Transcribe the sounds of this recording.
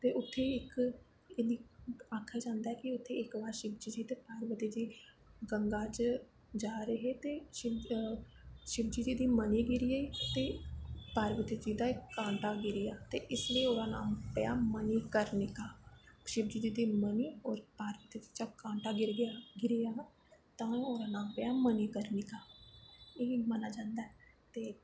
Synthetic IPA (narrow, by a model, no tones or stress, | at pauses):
t̪eːʊt̪ʰːeːɪk | eːd̪iːaːkʰaːd͡ʒãːnd̪aɛːkɪʊt̪ʰːeːɪkbaːɾʃɪbd͡ʒiːd͡ʒiːt̪eːpaːɾʋət̪eːd͡ʒiː | ɡəŋɡaːt͡ʃ | d͡ʒaːɾəɦeːt̪eːʃɪb | ʃɪb̚d͡ʒiːd͡ʒ̪iːd̪iːməniːɡɪɾɪjaːiːt̪eːpaːɾʋɪt̪it͡ʃ̪iːd̪aːɪkːãːɳʈaːɡɪɾɪjaːt̪eːʔɪsləiːoːɾaːna̰ːmpɪja̰ːməniːkəɾnɪːkaːʃɪbd͡ʒiːd̪iːd̪iːməniːɔːɾpaːɾʋɪt̪it͡ʃi̥t͡ʃaːkãːɳʈaːɡɪɾɡɡɪɾɪjaː | t̪ãːoːɾaːnaːmpjaːməniːkəɾnekaː | eɦimənaːd͡ʒãːnd̪aɛ | t̪eː